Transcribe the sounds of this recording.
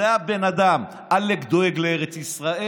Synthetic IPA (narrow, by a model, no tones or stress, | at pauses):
eabenad̪am | alekd̪oeɡleeʁet͡sisʁae